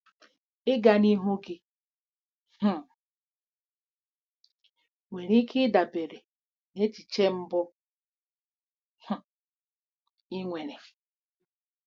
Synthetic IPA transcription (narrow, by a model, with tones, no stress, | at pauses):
ɪ˦ɡa˨ni˦ɦu˦ɡi˦ | h̩˦˨ | we˨ɾi˦kʰi˦da˨be˨ɾe˨ | ne˦t͡ʃi˨t͡ʃe˦m̩˦bʊ˦ | h̩˦˨ | i˦ŋʷe˨ne˨